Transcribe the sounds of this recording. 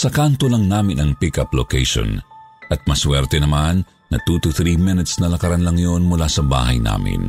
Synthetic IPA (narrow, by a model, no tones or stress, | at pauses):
sɐkant̪olɐŋnaːmɪnɐŋpɪkɐplokɛ̰jʃo̰nʔɐt̪̚mɐswɛɾt̪ɛnɐmanː | ɐ̰t̪uːt̪uθɾimɪnɛt̪snɐlɐkɐɾanlɐŋjonmʊlasɐba̰ːhɐjna̰ːmɪ̰n